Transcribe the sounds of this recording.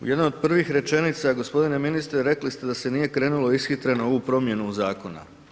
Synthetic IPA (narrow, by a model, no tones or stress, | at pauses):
ṵje̞d̪noo̞d̪̚pr̩ʋixɾe̞t͡ʃe̞nit̪saɡo̞spo̞d̪ine̞minist̪ɾeɾe̞klist̪e̞d̪ase̞nije̞kɾe̞ːnulo̞isxit̪ɾe̞nooʋupɾo̞mje̞nuzaːko̞na̰